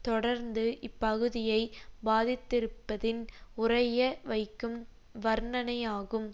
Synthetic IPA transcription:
t̪ɔɽɐɾnd̪ɯʔɪpːɐɣɯðɪjɐɪbaːðɪt̪ːɪɾɯpːɐðɪnʊrɐjɐʋɐɪkːɯm | ʋɐɾnɐnɐjaːɣɯm

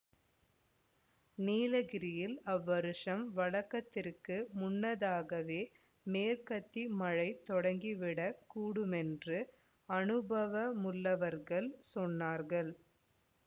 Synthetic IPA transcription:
niːlɐɣɪɾɪjɪlɐʋːɐɾɯʂɐmʋɐɭɐkːɐt̪ːɪrkɯmʊnːɐðaːɣɐʋeː | meːɾkɐt̪ːimɐɻɐɪt̪ːɔɽɐŋɡiʋɪɽɐkuːɽɯmɛndrɯ | ɐnɯbɐʋɐmʊlːɐʋɐɾɣɐɭsɔnːaːɾɣɐɭ

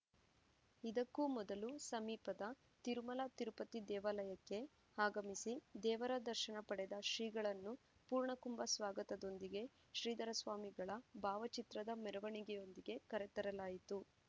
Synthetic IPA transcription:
id̪ɐkːumɔd̪ɐlusɐmiːpɐd̪ɐ | t̪iɾumɐlat̪iɾupɐt̪id̪ɛːʋɐlɐjɐkːe̞ | aːɡɐmisid̪ɛːʋɐɾɐd̪ɐɾʃɐɳɐpɐɽɛd̪ɐʃɾiːɡɐɭɐnːu | puːɾɳɐkumbɐsʋaːɡɐt̪ɐd̪o̞nd̪iɡe̞ | ʃɾiːd̪ɐɾɐsʋaːmiɡɐɭɐbʱaːʋɐt͡ʃit̪ɾɐd̪ɐmɛɾɐʋɐɳiɡɛjo̞nd̪iɡe̞kɐɾet̪ɐɾɐlaːjit̪u

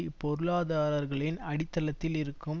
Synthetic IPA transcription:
pɔɾɯɭaːðaːɾɐɾɣɐɭɪnɐɽɪt̪ːɐlɐt̪ːɪlɪɾɯkːɯm

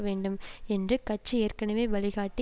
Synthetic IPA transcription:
ɐʋeːɳɖɯmɛndrɯkɐt͡ʃːɯeːrkɐnɐmeːʋɐɭɪɣaːʈːi

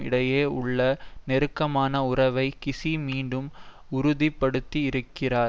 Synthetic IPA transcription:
ɪ̰ɽɐjeːʊɭːɐnɛɾɯkːɐmaːnɐʊrɐʋɐɪkɪsimiːɳɖɯm | ʊɾʊðɪpːɐɽɯt̪ːiɪɾɯkːɪraːɾ

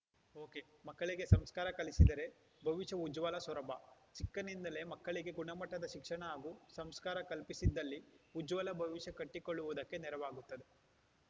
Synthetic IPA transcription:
o̞ːke̞mɐkːɐɭiɡe̞sɐmskaːɾɐkɐlisid̪ɐɾe̞ | bʱɐʋiʃɐud͡ʒʋɐlɐsɐɾɐbʱɐt͡ʃikːɐnind̪ɐle̞mɐkːɐɭiɡe̞ɡuɳɐmɐʈːɐd̪ɐʃikʂɐɳɐaːɡusɐmskaːɾɐkɐlpisid̪ːɐlːiud͡ʒʋɐlɐbʱɐʋiʃɐkɐʈːikoɭːuʋud̪ɐkːe̞nɛɾɐʋaːɡut̪ːɐd̪e̞

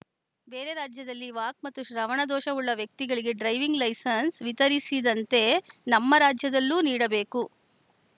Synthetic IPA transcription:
be̞ːɾe̞ɾaːd͡ʒjɐd̪ɐlːiʋaːk̚mɐt̪ːuʃɾɐʋɐɳɐd̪ɔːʃɐʋuɭːɐʋjɐk̚t̪iɡɐɭiɡe̞ɖɾɐjʋiŋɡlɐjsɐnsʋit̪ɐɾisid̪ɐnt̪e̞nɐmːɐɾaːd͡ʒjɐd̪ɐlːuːniːɽɐbe̞ːku

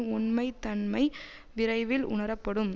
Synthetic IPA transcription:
ʊnmɐɪt̪ːɐɳmɐɪ | ʋɪɾɐɪʋɪlʔʊ̰ɳɐɾɐpːɐɽɯm

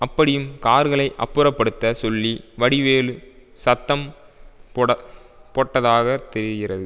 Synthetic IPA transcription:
ɐpːɐɽɪjɯmkaːɾɣɐɭɐɪʔɐpːɯɾɐpːɐɽɯt̪ːɐsɔlːiʋɐɽɪʋeːlɯ | sɐt̪ːɐm | pɐ | pɔːʈːɐðaːɣɐt̪ɛɾɪɣɪrɐðɯ

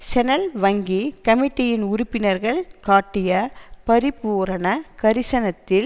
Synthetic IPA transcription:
sɛnɐlʋɐŋɡikɐmɪʈːɪjɪnʊɾʊpːɪnɐɾɣɐɭkaːʈːɪjɐpɐɾɪpuːɾɐnɐkɐɾɪsɐnɐt̪ːɪl

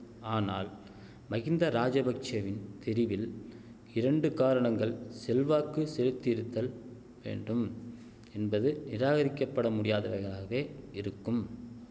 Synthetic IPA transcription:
aːna̰ːl | mɐɣɪnd̪ɐɾaːd͡ʒɐbɐk̚t͡ʃɐʋɪnt̪ɪɾɪʋɪl | ɪɾɐɳɖɯkaːɾɐɳɐŋɡɐɭsɛlʋaːkːɯsɛlɯt̪ːɪɪɾɯt̪ːɐl | ʋḛːɳɖɯm | ɛnbɐðɯnɪɾaːɣɐɾɪkːɐpːɐɽɐmʊɽɪjaːðɐʋɐɾɣɐɭaːɣeːɪɾɯkːɯm

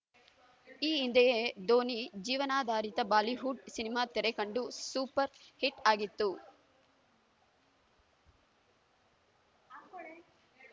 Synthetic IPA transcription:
iːnd̪ɐjed̪oːnid͡ʒiːʋɐnaːd̪ʱaːɾit̪ɐbaːliɦuɖsinimaːt̪ɛɾekɐɳɖusuːpɐɾhiʈaːɡit̪ːu

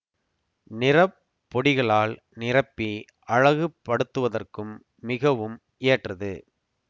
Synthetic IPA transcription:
nɪrɐpː | ɔɽɪɣɐɭaːl | nɪrɐpːi | ʔɐɻɐɣɯpːɐɽɯt̪ːɯʋɐðɐrkɯmː | ɪɣɐʋɯm | ʔeːʈrɐðɯ

